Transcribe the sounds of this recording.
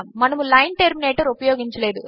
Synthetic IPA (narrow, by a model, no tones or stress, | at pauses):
mɐnɐmulɐjnʈeɾmineːʈɐɾupɐjoːɡiɲt͡ʃɐleːd̪u